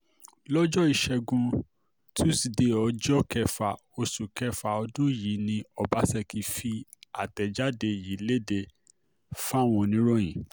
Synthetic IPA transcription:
lɔ˦d͡ʒɔ˦i˧ʃɛ˧ɡũ˧ | tʰũ˦si˨de˧˦ɔ˨˧d͡ʒɔ˦kɛ˧fa˨ | o˧su˨kɛ˧fa˨ɔ˧dũ˦ji˨˦nĩ˧ɔ˧ba˧˦sɛ˧ki˧fi˧a̰˨tɛ˨d͡ʒa˦de˧ji˨˦le˦de˧ | fa˦˨w̃ɔ̃˧nĩ˨˦ɾɔ̃˦j̃ĩ˨

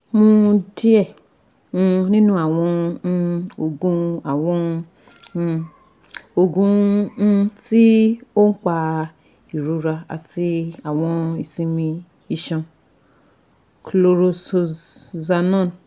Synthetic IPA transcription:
mo˧di˦ɛ̃˦˨˧ | nĩ˦nũ˦a˦˨w̃ɔ̃˧ | o˧ɡũ˧˦a˨w̃ɔ̃˧ | o˧ɡũ˦˧˦ | ti˦o˦n̩˦k͡pa˧ | i˨ɾu˨˧ɾa˧a̰˨ti˧a˨w̃ɔ̃˧i˨sĩ˧mĩ˧ | i˧ʃã˧ | klo˧ɾo˧so˧za˧nɔ̃˦˨n˨

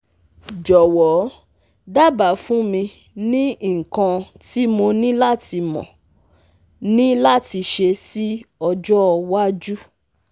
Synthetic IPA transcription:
d͡ʒɔ˨wɔ˨˦ | da˦ba˨fũ˦mĩ˧ | nĩ˦˨ŋ̩˨kã˧ | ti˦mõ˧nĩ˦la˦˨ti˧mɔ̰̃˨ | nĩ˦la˦ti˧ʃe˧si˦ɔ˧d͡ʒɔ˦˧wa˦d͡ʒu˦

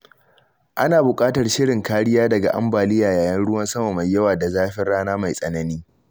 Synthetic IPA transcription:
ʔa˦naː˨bʊ˨kʼaː˦tɐ˨rʃɪ˦ɽɪ˨ŋkaː˦ɽɪ˦jaː˦dɐ˨ɡa˨ʔa̰˦mbaː˨lɪ˦jaː˨jaː˨jɐ˦nɽʊ˦wɐ˦nsɐ˦ma˨ma˨jjːɐ˦waː˨da˨zaː˦ɸɪ˦rɽaː˦naː˦ma˨jsʼɐ˦nɐ˦niː˦

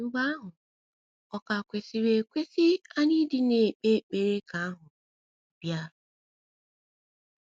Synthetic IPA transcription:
ŋ͡m̩˦ɡ͡ba˦a˦ɦʊ˨ | ɔ˨ka˨kʷe˨si˨we˨kʷe˦sɪ˦a˦ɲi˦dɪ˦ne˨k͡pe˦˨k͡pe˨ɾe˦ka˨a˦ɦʊ˨ | b̥ja˦lʊ˨

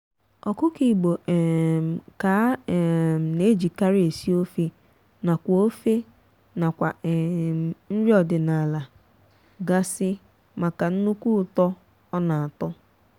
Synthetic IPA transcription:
ɔ˨kʊ˦ki˨ɡ͡bo˨m˨ka˨˦˨m̩˨ne˦d͡ʒi˨ka˦ɾɪ˦e˨si˦o˦fe˦ | na˨kʷo˦fe˦ | na˨kʷa˨n̩˦ɾi˦ɔ˨dɪ˨na˨la˨ | ɡa˦sɪ˦ | ma˨ka˨n̩˦nu˦kʷu˦ʊ˨tɔ˦ | ɔ˦na˨a˨tɔ˦

